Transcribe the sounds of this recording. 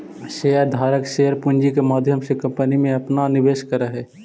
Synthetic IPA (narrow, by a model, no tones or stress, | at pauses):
ʃejəɾd̪ʱaːɾəkʃeːəɾpʊɲd͡ʒikemaːd̪ʱjəmsekɐ̃mpənimẽɐpnanɪʋeːʃkəɾəɦɛː